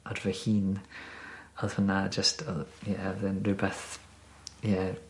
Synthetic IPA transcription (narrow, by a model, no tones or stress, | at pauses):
ɔdvɛhiːn | ɔðvənad͡ʒəstʰjɛðənrɨbɛθ | jɛ